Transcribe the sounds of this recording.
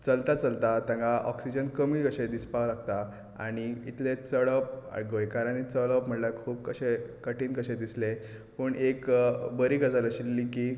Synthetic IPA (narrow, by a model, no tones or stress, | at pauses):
t͡səlt̪at͡səlt̪at̪ãŋkaʔɔksid͡ʑənkəmiːkəɕed̪ispalaɡt̪a | a̰ɽ̃iit̪let͡səɭəp̚a̰jɡojkaɾəɳit͡səɭəpm̤əɳlakʰuːb̚kəɕekəʈiːnkəɕẽd̪isle | pəɳekbəɾiːɡəd͡zaɾəɕilːiːki